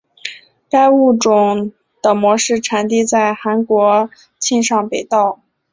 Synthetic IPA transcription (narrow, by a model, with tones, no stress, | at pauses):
ka˥ɪu˥˩ʈ͡ʂʊ˨˩ŋ | d̪̥ə˩mwɔ˧˥ʂɻ̩˥˩ʈ͡ʂʰa˧˥nt̪i˥˧t͡sa˥˩ɪxa˧˥nkwɔ˧˥ | t͡ɕʰi˥˧nʂɑ˥˩ŋpe˨˩ɪt̪ɑ˥˩ʊ